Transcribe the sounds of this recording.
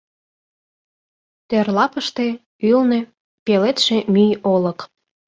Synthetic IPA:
t̪erlɑpəʃt̪e | ylne | pelet̪ʃemyjolək

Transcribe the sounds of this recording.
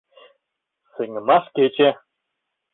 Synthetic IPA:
sɘ̆ŋɘ̆mɑʂket͡ɕe

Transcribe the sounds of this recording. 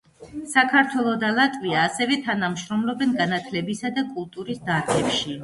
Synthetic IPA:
sakʰaɾt̪ʰwɛlˠɔd̪alˠat̪ʼviaːsɛvɛt̪ʰanamʃɾɔmlɔbɛnɡanat̪ʰlɛbisad̪akʼulˠt̪ʼuɾisd̪aɾɡɛpʃi

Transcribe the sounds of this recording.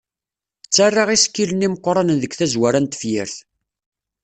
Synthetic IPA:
t͡sːarˤːɑʁiskːiləniməqːɾˤɑnðəɡθæzwæɾænt̪ə̥fjɪɾθ

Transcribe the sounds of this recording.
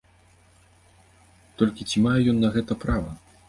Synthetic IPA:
t̪ɔlʲkʲit͡sʲimajɛjɔnːɐɣɛt̪ɐpɾavɐ

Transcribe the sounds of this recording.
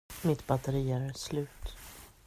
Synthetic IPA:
mɪt̪bat̪əɾiːaɾslʉ̟ːt̪

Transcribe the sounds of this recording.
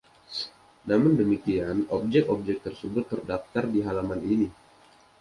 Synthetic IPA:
namʊndəmikianɔp̚d͡ʒɛkɔp̚d͡ʒɛk̚t̪ərsəbʊt̪ːərdaft̪ardiɦalamanini

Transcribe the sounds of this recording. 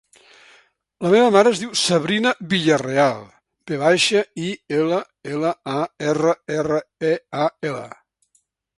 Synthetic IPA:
ləmeβəmaɾəːzðiwsəβɾinəβiʎərealˠ | beβajʃəielə | eləaerəerəeaelə̰

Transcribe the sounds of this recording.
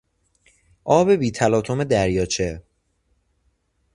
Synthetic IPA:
ʔɒːbe̞biːt̪ʰælɒːt̪ʰo̞me̞d̪æɾjɒːt͡ʃʰe

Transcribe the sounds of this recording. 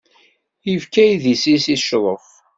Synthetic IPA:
jivkæjðisisiʃðˤəf

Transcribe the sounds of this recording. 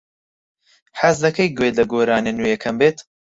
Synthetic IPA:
ħazd̪ɐkɐjɡelɐɡoːɾaːnenujekʰɐmbeːt̪

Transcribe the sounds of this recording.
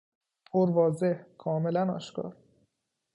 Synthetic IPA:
oɾvɒːze̞hkʰɒːme̞lænɒ̰ːʃkɒ̰ːɾ

